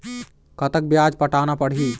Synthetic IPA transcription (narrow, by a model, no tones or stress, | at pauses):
kət̪ək̚bjad͡ʒpəʈanapəɽ̤ɦi